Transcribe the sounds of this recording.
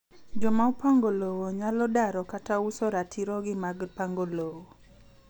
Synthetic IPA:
d͡ʒɔmaʊpaŋɡolowoɲalɔdaɾɔkatausɔɾatʰiɾɔɡɪmaɡpaŋɡolowo

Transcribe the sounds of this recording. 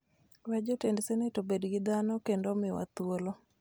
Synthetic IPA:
wɛd͡ʒotendsɛnetobedɡɪd̪anokendomɪwa̰t̪wolo

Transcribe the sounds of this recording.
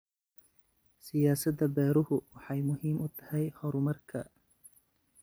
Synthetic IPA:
sɪjaːsɐd̪ɐbɛːɾʊhʊwɑħɑjmʊɦiːmʊt̪ʰɐ̥hɛjhɔɾʊmɐrkʰɐ

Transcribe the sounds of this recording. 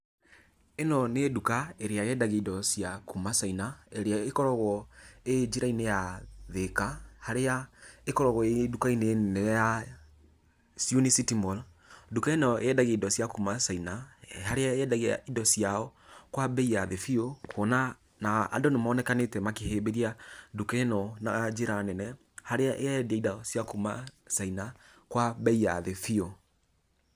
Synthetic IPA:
enɔnedukaeɾeajɛdaɣeidɔsjakumasainaeɾeaekɔɾɔɣɔed͡ʒiɾainejaðekahaɾeaekɔɾɔɣɔedukaineneja | sjunisitimɔl | dukaenɔɛdaɣeidɔsjakumasainahaɾeaeɛdaɣia̰idɔsiaɔkwabɛiaðefiokʰwɔna | na̰ːdɔnemaːnɛkanetɛmakehebeɾiadukɛnɔnad͡ʒeɾanɛnɛ | haɾeaʔeadiaidasijakumasaina | kwabɛia̰ðɛfio

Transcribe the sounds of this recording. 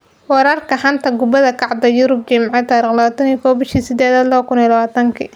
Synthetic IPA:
wɑɾɐrkʰɐħɑnt̪ʰɐɡʊbɐðɐkʰɑʕd̪ɐjʊɾʊb̚t͡ʃɐmʕɑt̪ʰaːɾiːχlɐaːt̪ʰɐnijkʰɔːwbɪʃiːsɪd̪ɛːðɐːd̪lɐβɐkʰʊnilɐβaːt̪ʰɐŋkʰḭ

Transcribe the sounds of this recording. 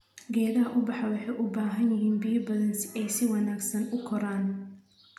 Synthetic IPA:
ɡɛːðɐɦɐʔʊbɑħɐwɑħɑjʔʊbaːɦɐnjɪɦiːnbijɔbɐlɐnsɛjsɪwɑnaːɡsɐnʊkʰɔɾaːn

